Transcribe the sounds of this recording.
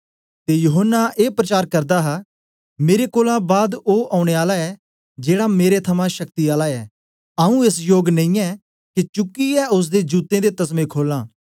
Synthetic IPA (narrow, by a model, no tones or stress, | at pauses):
t̪eːjʊɦənːaʔeːpɾət͡ʃaːɾkəɾd̪aːɦa | meːɾekoːlãːbaːd̪oːʔaːʊɽ̃eaːlaɛː | d͡ʒeːɽaːmeːɾet̪ʰəmãʃək̚t̪iaːlaːɛː | aːũːesjoːɡnə̃ĩːɛː | kit͡ʃʊkːiɛːʊs̬d̪eːd͡ʒuːt̪ẽːd̪eːt̪ɐsmẽːkʰoːlãː